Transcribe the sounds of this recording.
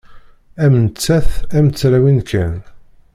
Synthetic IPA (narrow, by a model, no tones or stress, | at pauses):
æmnət͡sːæθæmt͡sːɾæwinkæn